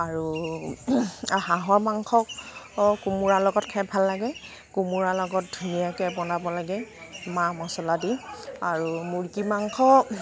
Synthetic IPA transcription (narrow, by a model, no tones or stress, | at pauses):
aɹu | ɦaɦɔɹmaŋkʰɔkkumuɹalɔɡɔtkʰɛbʱalːaɡɛ | kumuɹalɔɡɔt̚dʱunijakɛbɔnabɔlaɡɛmamɔsɔladiaɹumuɹkimaŋkʰɔ